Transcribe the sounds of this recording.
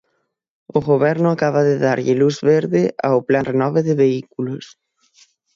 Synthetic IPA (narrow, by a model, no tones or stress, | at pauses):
oɣoβɛɾnʊakaβaðɪðaɾʎɪluzβeɾðɪʔa̰oplanrenɔβeðɪβeikulʊs